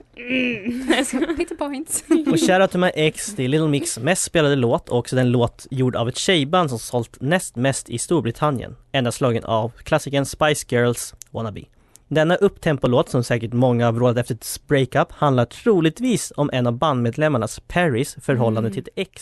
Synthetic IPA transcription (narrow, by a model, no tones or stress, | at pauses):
t̪əpʰɔɪnt̪ɔɕæɾat̪ʰɵmaʔɛksd̪ɪlɪt̪l̩mɪksmɛst̪speːlad̪əloːt̪ʰɔksɔd̪ɛnloːt̪juːɖa̰vɛt̪ɕɛjband̪s̬ɔmsɔlt̪nɛst̪mɛst̪ɪst̪uːɾbɾɪt̪ʰanjə̰nɛnd̪aslɑːɡənʔa̰vkʰlasɪkənspajsɡœːlswɔ̰nabɪ̰ | d̪ɛnːaʔɵpːt̪ʰɛmpʊloːt̪sɔmsɛːkəʈmɔŋːahavɾoːd̪at̪ɛft̪əɾɛt̪spɾɛɪkapːhand̪laʈʰɾuːlɪɡ̚t̪viːsɔmʔɛnavband̪meːd̪lɛmːaɳaspʰæɾɪsfœɾɦɔlːand̪ət̪ʰɪlɛks